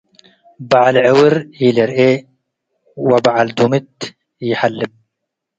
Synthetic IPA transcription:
baʕalʕɪwɪɾileɾe | wabaʕald̪umɪt̪ | iħalːɪm̚

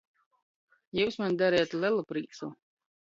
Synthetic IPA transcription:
juːsmand̪aɾɛjat̪lʲɛlˠupɾiːt̪su

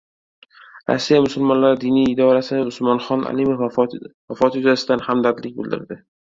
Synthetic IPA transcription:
ɾa̰sːijamʊsʊlmɒnlaɾɪd̪inijːd̪ɒɾasɪnɪʊsmɒnχɒnʔa̰limofvafɒt̪jʊzasɪd̪anhamd̪ad̪lɪk̚ʲbɪld̪ɪ̰ɾd̪ɪ

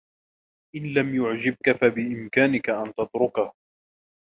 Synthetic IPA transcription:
ʔɪnlamjʊʕd͡ʒɪb̚kafabɪʔɪmkaːnɪkaʔant̪ɑt̪ɾʊkah

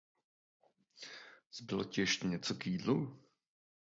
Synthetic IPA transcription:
z̥bɪlocɛʃcɛɲɛt͡sokjiːdlu

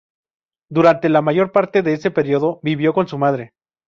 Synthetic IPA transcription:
d̪uɾant̪e̞lamaʝo̞ɾpaɾt̪e̞ðe̞ese̞pe̞ɾjo̞ðo̞biβjo̞ko̞nsumaðɾe̞

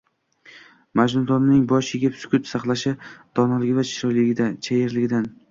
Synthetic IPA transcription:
mad͡ʒnʊd̪ɒnnɪŋbɒʃjeɡʲɪpsʊ̥kʲʊt̪sɑqlˠaʃɪd̪̥ɒnalɪɡʲɪvat͡ʃʰɪ̥ɾɒjlɪɡʲɪd̪at͡ʃʰajɪɾlɪɡʲɪd̪an

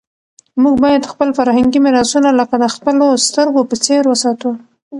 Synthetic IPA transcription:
muɡ̚bɑjad̪xpəlfaɾhaŋɡimɪɾɑsunaləkad̪əxpəlost̪əɾɡopət͡seɾwəsɑt̪u

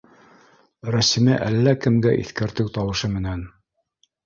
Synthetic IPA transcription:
ɾæsimɘʔælːækɘ̆mɡæʔḭθkæɾt̪ɘwt̪ɑwɤ̆ʃɤmɘ̆næn

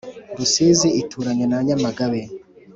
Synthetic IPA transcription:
dusiziitʰuːɾaɲenaɲamaɡaβe

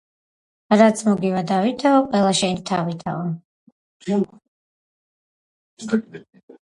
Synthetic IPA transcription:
ɾat̪sʰmɔɡivad̪avit̪ʰaɔqʼwɛlˠaʃɛnit̪ʰavit̪ʰa̰ɔ

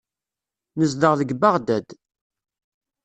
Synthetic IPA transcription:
nəzd̪əʁðəɡbaʁd̪æd̪

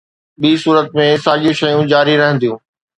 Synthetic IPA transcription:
ɓiːsuːɾət̪̚mẽsaːʄiʃɐjũd͡ʑaːɾiɾɐɦə̃nd̪ijũː

